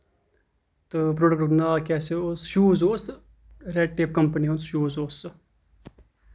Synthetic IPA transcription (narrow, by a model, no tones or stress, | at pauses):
t̪ɨpɾoːɖəkʈnaːkɛːseoːsʃuːzoːs | ɾeɖʈeːp̚kəmpənionsʃuːzoːs